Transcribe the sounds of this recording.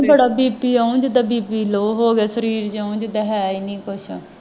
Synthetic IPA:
bəɽaːbiːpiːaːũːd͡ʒɪd̪aːbiːpiːloːɦoːɡaːsəɾiːɾd͡ʒaũːd͡ʒɪd̪aːɦɛːinĩːkʊt͡ʃʰ

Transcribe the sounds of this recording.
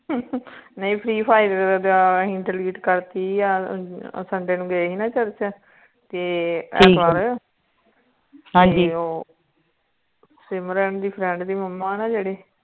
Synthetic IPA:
nə̃ĩːpʰɾiːpʰaːɪɾd̪aĩɳʈəɾliːʈkəɾt̪iːaːsəɳɖeːnũːɡəeːɦiːnãːt͡ʃəɾt͡ʃə | t̪eːɛːiːkaːɾ | ɦãːd͡ʒioː | sɪmɾɛːɳd̪iːpʰɾɛ̃ɳɖd̪iːməmːaːnaːd͡ʒeːɽeː

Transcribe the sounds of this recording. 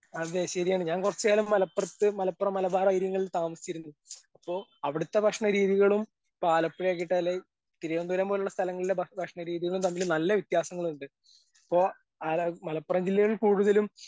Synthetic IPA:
ɐðeɕɐɾijaːɳɨɲaːnkurɐt͡ɕːaːlumːɐlɐpːrɐt̪ːɨmɐlɐpːrɐmːɐlɐbaːɾɐɐjiɾjɐŋːɐɭilt̪aːmɐsi̥t͡ɕːiɾunːuɐpːo̞ːɐʋiɽut̪ːe̞bʱɐkʂɳɐɾiːðiɣɐɭum | paːlɐpːiɻekːiʈːɐlːe | t̪iɾɐjond̪ulembo̞ːluɭːɐst̪ʰɐlɐŋːɐɭilːebʱɐbʱɐkʂɳɐɾiːðiɣɐɭumt̪ɐmːilumnɐlːɐʋit̪jaːsɐŋːɐɭuɳɖɨ | ɐpːo̞ː | almɐlɐpːrɐɲd͡ʑilːɐɣɐɭiɭkuːɽuðɐlum

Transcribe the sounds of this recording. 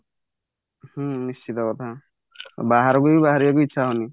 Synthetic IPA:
hunist͡ʃit̪ɔkɔt̪ʰa̰ | baɦaɾɔkubibaɦaɾijak̬uitːʃʰaɦɔni

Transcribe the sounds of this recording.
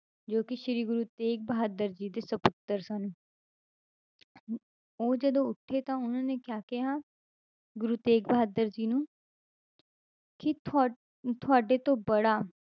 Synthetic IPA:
d͡ʒoːkɪʃɾiːɡʊɾuːt̪eːk̚bɦaːd̪əɾd͡ʒiːd̪eːsəpʊt̪ːəɾsaːnũː | oːd͡ʒəd̪õːʊʈʰːeːt̪ãːʊnãːneːkɪjaːkɪɦaː | ɡʊɾuːt̪eːkbəɦaːd̪əɾd͡ʒiːnũː | kɪt̪ː | t̪ʰʊaːɖeːt̪õːbəɽaː

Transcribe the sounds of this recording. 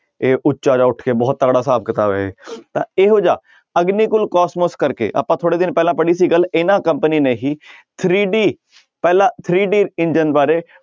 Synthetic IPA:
eːʔʊtːʃaːd͡ʒaːʊʈʰkeːbɔːt̪ːəɡɽaːsaːb̚kət̪aːʋḛːḛːt̪ã̰ːeːɦoːd͡ʒa̰ː | əɡniːkʊlkɔːsmoskəɾkḛːʔə̰pãːt̪ʰoːɽeːd̪ɪnpɛːlãːpəɽiːsiːɡəlɪnãːkə̃mpəniːneːɦiːt̪ʰɾiːɖiː | pɛːlãːt̪ʰɾiːɖiːɪnd͡ʒənbaːɾeː

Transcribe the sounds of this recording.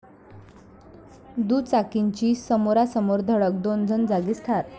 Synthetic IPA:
d̪ut͡sakiɲt͡ɕiːsəmoɾasəmoɾd̪ʱəɭək̚d̪ond͡zʱənd͡zaɡist̪ʰaɾ

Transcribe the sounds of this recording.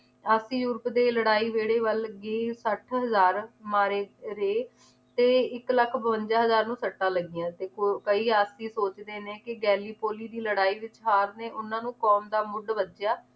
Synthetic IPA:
aːsiːjʊɾpd̪eːləɽaːiːʋeːɽeːʋəlɡeːsəʈʰɦəzaːɾmaːɾeːɾeː | t̪eːɪkləkʰbəʋəɲd͡ʒaːɦəzaːɾnũːsəʈːãːləɡɪjãːt̪eːkəiːaːsiːsoːt͡ʃd̪eːneːkɪɡɛːliːpoːliːd̪iːləɽaːiːʋɪt͡ʃɦaːɾneːʔʊnãːnũːkɔːmd̪aːmʊɖʋəd͡ʒjaː

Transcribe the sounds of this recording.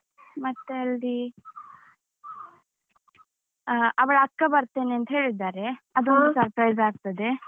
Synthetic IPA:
mɐt̪ːeɐlɾi | ɐʋɐɭɐkːɐbɐɾt̪e̞ːneɐnt̪ɐɦe̞ːɭid̪ːaːɾe̞ɐd̪uond̪sɐɾpɾɐjzaːɡ̚t̪ɐd̪e̞

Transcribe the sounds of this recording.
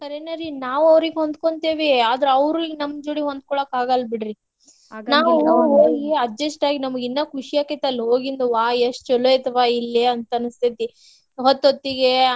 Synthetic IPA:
sɐɾenɐɾinaːʋɐʋɾiɡeɦond̪koɳt̪eːʋeaːd̪ɐɾeɐʋɾunɐmːd͡ʒuɽiɦond̪̚kɔɭoːkaːɡɐlbiɽɾi | naːʋɦoːɡiɐd͡ʒɐsʈaːɡinɐmɐɡinːɐkʰuʂijaːket̪ɐlːɦo̞ːɡind̪uʋaːesʈt͡ʃɔlojt̪ɐʋaːilːeɐnt̪ɐnust̪ʰit̪i | ɦot̪ːot̪ːiɡe

